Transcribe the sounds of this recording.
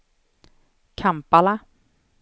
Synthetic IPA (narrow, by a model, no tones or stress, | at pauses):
kʰampala